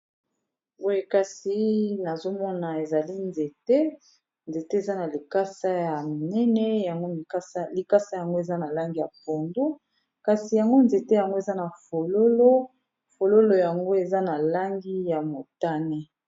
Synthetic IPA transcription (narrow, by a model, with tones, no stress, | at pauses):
bo˦je˨ka˨si˨na˨zo˦mɔ˦na˨e˨za˨li˦nze˨te˦ | nze˨te˦e˨za˦na˨li˨ka˦sa˦ja˨mi˨nɛ˦nɛ˦ja˨ŋɡo˦i˨ka˦sli˨ka˦sa˦ja˨ŋɡo˦e˨za˦na˨la˦ŋɡi˦ja̰˨po˨ndu˦ | ka˨si˨ja˨ŋɡo˦nze˨te˦ja˨ŋɡo˦e˨za˦na˨fo˨lo˦lo˦ | fo˨lo˦lo˨ja˨ŋɡo˦e˨za˦na˨la˦ŋɡi˦ja˨mo˨ta˦ne˦